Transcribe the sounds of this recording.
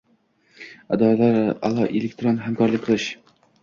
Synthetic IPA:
ad̪ɒalaɾa̰lˠɒʔelek̚ʲt̪ɾonɦamkʰɒɾlɪk̚ʲqʰɨlˠɪʃ

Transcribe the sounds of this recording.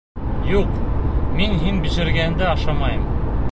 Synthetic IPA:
juqminɦinbɵ̆ʃɘ̆ɾɡæɘ̆nd̪æɑʃɑmɑjɤm

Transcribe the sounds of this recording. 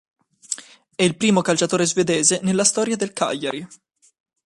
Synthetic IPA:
ɛilpɾiːmokalt͡ʃat̪oːɾezved̪ɛːzenelːast̪ɔːɾjad̪elkʰa̰ʎjːaɾi

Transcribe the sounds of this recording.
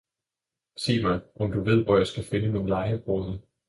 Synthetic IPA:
sḭːmæʔɒ̽md̥uʋe̝ð̞̰ˠʋɒjɑ̈ɪsɡ̥æfe̝nənolɑ̈ɪəb̥ʁɔð̩ˠ

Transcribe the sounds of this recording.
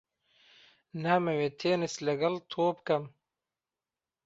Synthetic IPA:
naːmɐwet̪ʰeːnɐslɐɡɐlt̪ʰoːpkɐm

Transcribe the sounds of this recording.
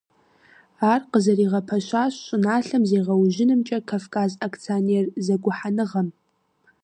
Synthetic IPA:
aːrqəzɐriːʁɐpʰɐʃʷaːɕɕʼʊnaːɬɐmzeːʁɐwʒɪnɨmt͡ʃʼɐkʰafkʰʼaːzakʰt͡sʰionerzɐɡʷʊħanɨʁɐm

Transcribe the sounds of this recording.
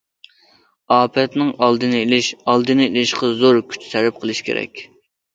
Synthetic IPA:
ɑːpʰɛt̪nɪŋɑlˠd̪ɨnɨelɪʃɑlˠd̪ɨnɨelɪʃqɑzoɾkʲʰy̥t͡ʃʰt̪ʰɛlɛp̚qʰəlˠɨʃkʲʰḛɾɛ̰kʲ

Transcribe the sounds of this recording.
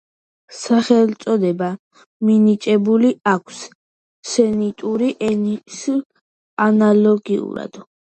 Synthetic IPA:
saχɛlt̪sʼɔd̪ɛba | minit͡ʃʼɛbuliakʷʰs | sɛnit̪ʼuɾiʔɛnisl | analɔɡiṵɾa̰d̪̥

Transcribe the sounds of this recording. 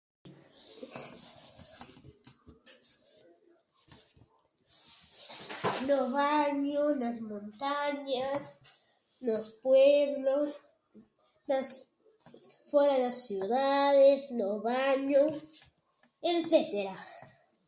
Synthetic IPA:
noβaɲonazmõnt̪aɲas | nospweβlos | nas | fweɾaðelasːjuðaðesnoβaɲo | enset̪eɾa

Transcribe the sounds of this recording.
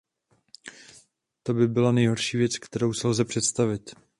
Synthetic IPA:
t̪o̞bɪbɪlanɛjɦo̞ɾʃiːvjɛt͡skt̪ɛɾo̞wsɛlzɛpr̥ɛt̪st̪avɪt̪

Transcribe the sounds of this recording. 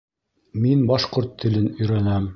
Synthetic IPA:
minbɑʃquɾt̪ʰːɘ̆lɘnɵ̆jɾænæm

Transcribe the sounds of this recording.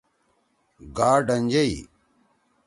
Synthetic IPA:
ɡaːɖɐnʲd͡ʑɐi

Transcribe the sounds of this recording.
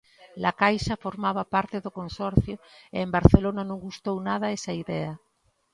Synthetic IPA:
lakajʃafoɾmaβ̞apaɾt̪eðokonsɔɾθjoeembaɾθelonanõŋɡust̪ownað̞aesaiðɛa

